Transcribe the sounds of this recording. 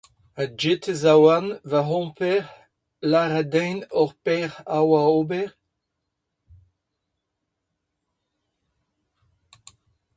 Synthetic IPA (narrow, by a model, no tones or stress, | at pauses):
ad͡ʒet̪ezawanvaɦɔ̃pɛʁ | laʁad̪ɛ̃jnɔʁpɛʁawaoːbɛʁ